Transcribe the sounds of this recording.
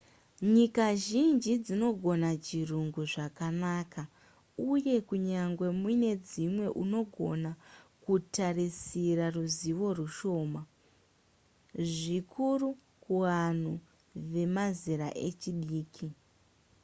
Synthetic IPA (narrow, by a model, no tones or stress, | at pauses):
ɲikaʒind͡ʒid͡zino̞ɡʱo̞nat͡ʃiruŋɡuʐakanaːka | uje̞kuɲaŋɡwe̞mune̞d͡zimwe̞ʔuno̞ɡʱo̞nakutarisiɾaruziʋo̞ruʃo̞ːma | ʐikʰuru | kuʋan̤u | ʋe̞maziɾa̰ʔe̞̰t͡ʃiɗiːkʰi